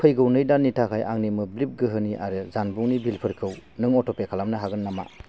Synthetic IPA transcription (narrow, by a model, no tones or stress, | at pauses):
pʰɯjɡɯwnɯjdanːitʰakʰajʔa̰ŋnimɯblip̚ɡɯɦɯniʔa̰ɾɯzanbuŋnibilpʰɯɾkʰɯwnɯŋɔtʰɔpekʰalamnɯɦaɡɯnːama̰